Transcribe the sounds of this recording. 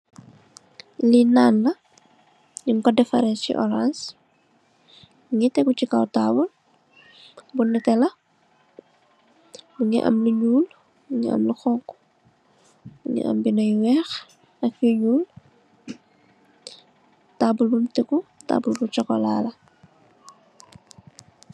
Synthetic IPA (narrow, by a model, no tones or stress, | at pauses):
linaːnlɐ | ɲiŋkɔdɛfɐɾɛnscḭʔɔ̰ɾans | ŋitɛkut͡ʃikawtaːbul | bunːɛtɛlɐ | muŋḭʔɐ̰mluɲuːl | uŋiɐ̰mluxɔŋku̥ | uŋḭʔɐ̰mbinɐjwɛːx | ɐkjuɲuːl | taːbulbumtɛkuta̰ːbulbut͡ʃɔkɔ̰la̰ːlɐ